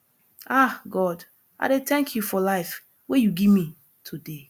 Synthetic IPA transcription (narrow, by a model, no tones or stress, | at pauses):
aɡɔd | a̰ɪɾetɛ̃ŋkʰjufɔlaɪf | wejuɡimĩ | tʰude